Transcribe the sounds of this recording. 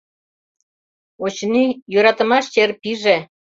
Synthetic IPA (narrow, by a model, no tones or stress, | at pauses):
ot͡ɕnijøɾɑt̪ə̆mɑʃt͡ɕerpiʒe